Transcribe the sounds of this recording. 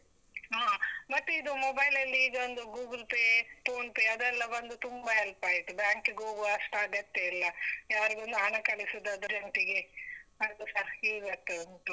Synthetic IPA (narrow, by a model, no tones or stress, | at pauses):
ɦaːmɐʈːid̪umobɐjlɐlːiiːɡɐond̪uɡuːɡɐlpeːpoːnpeːɐd̪ɛlːɐbɐnd̪ut̪umbɐɦɛlpaːɡiʈ̪ːubjaːŋkiɡoːɡuɐʂʈaːɡɐt̪ːeilːɐjaːɾiɡond̪uɦɐɳɐkɐlisid̪ːɐd̪uɾeɳʈiɡeɐjt̪usɐɾiːɡɐt̪ːeɐnt̪u